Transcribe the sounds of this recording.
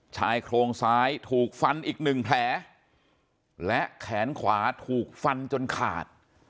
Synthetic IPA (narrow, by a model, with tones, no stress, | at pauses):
t͡ɕʰaː˧jkʰɾoː˧ŋsaː˦˥jt̪ʰuː˨˩k̚fa˧nʔiː˨˩k̚nɯ˨˩ŋpʰlɛː˩˦ | lɛ˦˥ʔkʰɛː˩˦nkʰwaː˩˦t̪ʰuː˨˩k̚fa˧nt͡ɕo˧nkʰa̰ː˨˩t̪̚